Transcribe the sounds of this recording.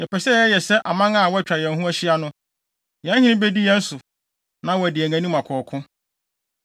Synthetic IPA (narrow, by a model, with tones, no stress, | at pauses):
jɛ˨pɛ˨ɕɛ˦˨ɛ˦jɛ˨sɛ˦ʔa˨mã˦ŋã˦˨wɔ˦æ˦t͡ɕᶣɾa˨jɛ̃˨n˨ɦũ˦æ˦ɕɪ˦a˦nʊ̃˦ | jɛ̃˦hɪ̃˦nĩ˦be˦di˦jɛ̃˦n̩˦sʊ˨ | nã˦wɔ˨æ˨dɪ˨æ˨ŋæ̃˨nĩ˦mã˨kʰɔː˨kʰʊ̃˦